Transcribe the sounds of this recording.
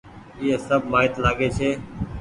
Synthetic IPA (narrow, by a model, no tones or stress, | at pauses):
iːeːsəbʱmaːɪt̪laːɡeːt͡ʃʰeː